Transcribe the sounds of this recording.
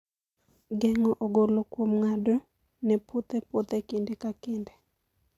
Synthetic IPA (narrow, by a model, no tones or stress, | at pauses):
ɡɛŋɔʔoɡolokwomŋado | nɛpot̪ɛpot̪ɛkindekakɪnde